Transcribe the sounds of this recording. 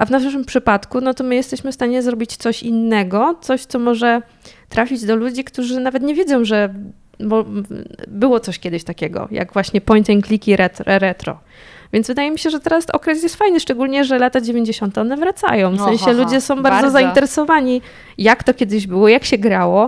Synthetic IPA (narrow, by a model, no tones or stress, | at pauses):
ʔavnaʂʂɘmpʂɘpat̪kunɔt̪ɔmɘjɛst̪ɛɕmɘfst̪aɲɛzɾɔbʲit͡ɕt̪sɔɕinːɛɡɔt̪sɔɕt̪sɔmɔʐɛ | t̪ɾafʲid͡ʑd̪ɔlud͡ʑikt̪uʐɘnavɛt̪ɲɛvʲjedzɔ̃w̃ʐɛ | mɔ | bɘwɔt̪sɔɕkʲɛd̪ɘɕt̪akʲɛɡɔ̰ja̰ɡvwaɕɲɛpɔjnt̪ɛŋklʲikʲiɾɛt̪ɾɾɛt̪ɾɔ̰ | vʲjɛnzvɘd̪ajɛmʲiɕɛʐɛt̪ɛɾasɔ̰kɾɛt̪jɛst̪fajnɘʂt͡ʂɛɡulɲɛʐɛlat̪ad͡ʑevʲjeɲd͡ʑeɕɔnt̪ɛɔnɛvɾat̪sa̰jɔ̃w̃fssɛ̃ɕsɛlud͡ʑɛsɔ̃w̃baɾzɔzaint̪ɛɾɛsɔvaɲi | jakt̪ɔkʲɛd̪ɘʑbɘwɔjakɕɛɡɾawɔ